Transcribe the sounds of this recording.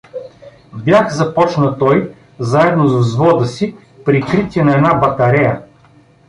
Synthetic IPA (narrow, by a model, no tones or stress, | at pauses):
bjaxzɐpɔt͡ʃnət̪ɔj | zaɛd̪nozzvɔd̪əsi | pɾikɾit̪ʲiɛnɐɛnabɐt̪ɐɾɛjɐ